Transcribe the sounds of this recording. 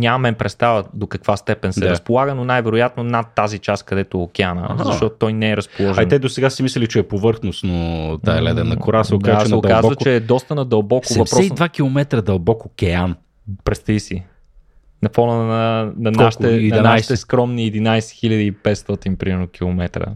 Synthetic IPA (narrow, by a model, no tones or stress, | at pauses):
ɲʲamɐmɛnpɾɛt̪st̪avəd̪okɐkv̥ast̪ɛpɛnsɛɾɐspolˠaɡənonajvɛɾojat̪nonat̪ːazit͡ʃaskɐd̪ɛt̪ookʲɛanə̰zɐʃt̪ɔt̪ot̪ɔjnɛɛɾɐspolˠɔʒainɛd̪osɛɡasimislɛlit͡ʃɛːpovɤɾxnost̪not̪aɛlɛd̪ɛnːɐkoɾasɛokazasɛod̪kazvət͡ʃɛːd̪ɔst̪ənɐd̪ɐlˠbɔksʊɛvɐspɾɔɛsivakilˠomɛt̪ɾəd̪ɐlˠbɔkokʲɛan | pɾɛst̪ijsi | nɐfɔnənɐnɐnʃt̪ɛnɐɐnaʃt̪ɛskɾɔmniɛd̪inajsɛ̥xilʲəd̪iːpɛt̪st̪ɔt̪inpɾimɛɾnok̟ilˠomɛt̪ɾə̰